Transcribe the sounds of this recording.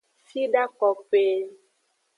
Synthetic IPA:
fi˦ɖa˦kɔ˨k͡pe˨˦

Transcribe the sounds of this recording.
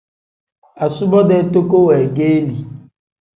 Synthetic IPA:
a˨sʊ˦bɔ˦de˨˦to˦ko˦we˨ɡe˦e˦li˨

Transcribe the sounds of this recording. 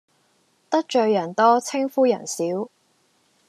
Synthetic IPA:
t̪ɐ˥k̚t͡ʃœː˨jɐ˨˩nt̪ɔː˥t͡sʰɪ˥ŋfuː˥jɐ˨˩nsiː˨˥w

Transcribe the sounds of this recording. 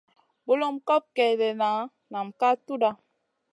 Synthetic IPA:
bo˦lo˦m̩˦kɔ˦p̚kɛ˨be˨na˨˦ | na˨m̩˨ka˦tu˦da˦

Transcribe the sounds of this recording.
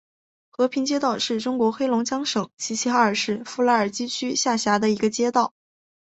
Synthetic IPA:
xɤ˧˥pʰi˧˥ŋt͡ɕjɛ˥t̪ɑ˥˧ʊʂɻ̩˥˩ʈ͡ʂʊ˥ŋkwɔ˧˥xe˥ɪlʊ˧˥ŋt͡ɕjɑ˥ŋʂɤ˨˩˦ŋt͡ɕʰi˧˥ɕʰi˧˥xa˧˥ə˞˨˩ʂɻ̩˥˧fu˥˩la˧˥ə˞˨˩t͡ɕi˥t͡ɕʰy˥ɕja˥˩ɕja˧˥d̪ə˧i˧˥ɡə˧t͡ɕjɛ˥t̪ɑ˥˩ʊ

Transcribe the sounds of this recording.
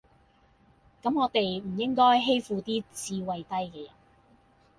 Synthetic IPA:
kɐ˨˥mŋɔː˨˧t̪e˨jm̩˨˩jɪ˥ŋkɔː˥jɦe˥jfuː˨˧t̪iː˥t͡siː˧wɐ˨jt̪ɐ˥jkɛː˧jɐ̰˨˩n

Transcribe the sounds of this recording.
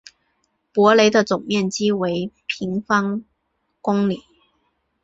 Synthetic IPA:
pwɔ˧˥le˧˥ɪd̪ə˧t͡sʊ˨˩ŋmjɛ˥˩nt͡ɕi˥we˧˥ɪpʰi˧˥ŋfɑ˥ŋ | kʊ˥ŋli˨˩˦

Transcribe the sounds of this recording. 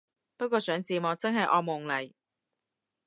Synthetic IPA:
pɐ˥kʷɔː˧sœː˨˥ŋt͡siː˨mɔː˨˧t͡sɐ˥nɦɐ˨jʔɔː˧mʊ˨˩ŋlɐ˨˩j

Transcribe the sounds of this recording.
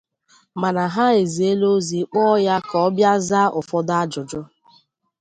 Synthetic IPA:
ma˨na˨ɦa˦e˨zi˨e˦lo˦zi˨˦k͡pɔ˦ja˦kɔ˨˦bja˦za˦ʔʊ˨fɔ˦da˦d͡ʒʊ˨d͡ʒʊ˦

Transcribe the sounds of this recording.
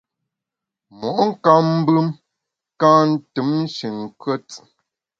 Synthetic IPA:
mɔ˨ʔŋ̩˦ka˦mm̩˦bɨ˦m | kã˦n̩˦tɨ˨˦m̩˦ʃi˨ŋ˨kwə˦t͡s

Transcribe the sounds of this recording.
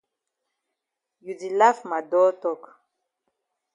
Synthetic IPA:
ju˨di˨la˦fma˨dɔ˦tɔ˦˨k

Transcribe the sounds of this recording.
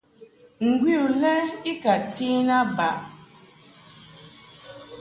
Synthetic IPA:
ŋ̩˨ɡwi˦˨u˨lɛ˦i˦ka˨ti˦na˦ba˨ʔ

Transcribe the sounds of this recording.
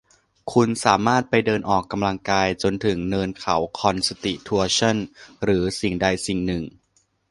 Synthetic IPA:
kʰu˧nsaː˩˦maː˥˩t̪̚pa˧jdɤː˧nʔɔː˨˩kːa˧mla˧ŋkaː˧jt͡ɕo˧nt̪ʰɯ˩˦ŋnɤː˧nkʰa˩˦wkʰɔ˧nsa˧t̪i˨˩t̪ʰu˧ɐt͡ɕʰɔ˥˩nɾɯː˩˦si˨˩ŋda˧jsi˨˩ŋnɯ˨˩ŋ

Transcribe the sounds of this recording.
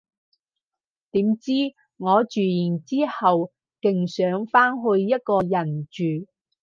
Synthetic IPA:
t̪iː˨˥mt͡siː˥ | ŋɔː˨˧t͡ʃyː˨jiː˨˩nt͡siː˥hɐ˨w | kɪ˨ŋsœː˨˥ŋfaː˥nɦɵ˧ɥjɐ˥t̚kɔː˧jɐ˨˩nt͡ʃyː˨˩

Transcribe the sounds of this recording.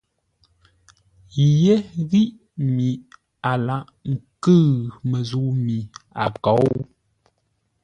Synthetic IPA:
je˦ɣi˦ʔ | mi˨ | a˨la˨ʔ | ŋ̩˨kɨ˦˨ɣmə˨zu˨mi˨a̰˨kɔ˨˦w

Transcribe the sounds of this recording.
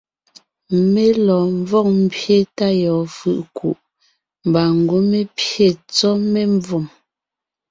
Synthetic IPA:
me˦lɔː˨ɱ˦vɔ˦k̚m̩˦pje˦ta˦jɔː˨fɯ̰˦˨ʔku˨ʔ | m˨ba˨ŋ˨ɡo˦me˦pje˨t͡sɔ˦me˦ɱ˦vɔ˨m

